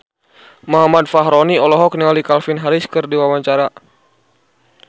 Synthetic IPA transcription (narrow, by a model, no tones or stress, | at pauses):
mɔɦamadfaɦɾɔniɔlɔɦɔk̚niŋalikalfɪnɦaɾiskɨrdiwawaɲt͡ʃaɾa